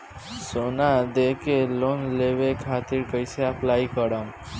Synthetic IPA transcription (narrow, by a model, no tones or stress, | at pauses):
sonad̪ekelonleʋekʰat̪iɾkəjseəplaikəɽam